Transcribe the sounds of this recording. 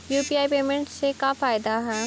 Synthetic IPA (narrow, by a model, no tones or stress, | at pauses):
juːpiːaːipeːmẽɳʈsekafaːjd̪aɦɛː